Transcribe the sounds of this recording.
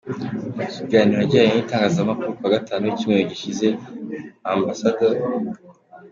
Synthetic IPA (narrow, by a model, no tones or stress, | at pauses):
ciɡaːniɾaɟiajenitaːŋɡaːzamakuɾukwaɡataːnuicimŋejoɟiʃize̞ | ambasadoɾ